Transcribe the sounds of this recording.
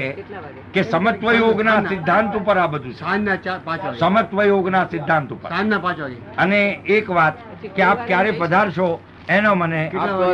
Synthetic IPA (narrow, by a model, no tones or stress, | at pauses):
e | kesəmət̪ʋəjoɡnasɪd̪ʱːãnt̪upəɾabəd̪ʱũt͡ʃnːat͡ʃpãt͡ʃsəmət̪ʋəjoɡnasɪd̪ʱːãnt̪upə̰sanːapãt͡ʃ | əneːkʋat̪ | keap̚kjaɾepəd̪ʱaɾʃo | enomənek